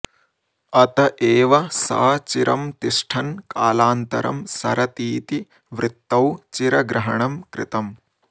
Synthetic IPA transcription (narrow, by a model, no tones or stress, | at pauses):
ɐt̪ɐʔeːʋɐsɐ̰ːɐt͡ʃiɾɐmt̪iʂʈʰɐnkaːlaːnt̪ɐ̰ɾɐ̰msɐ̰ɾɐt̪iːt̪i | ʋɾɪt̪ːɐwt͡ʃiɾɐɡɾɐɦɐɳɐmkɾɪ̰t̪ɐm